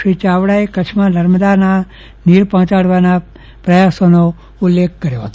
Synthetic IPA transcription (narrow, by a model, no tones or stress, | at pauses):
it͡ʃaʋɽaekət͡ʃʰmãnəɾməd̪ana | niɾpɔ̃ɦt͡ʃaɽʋana | pɾəjasono | ʊlːekʰkəɾjoɦət̪o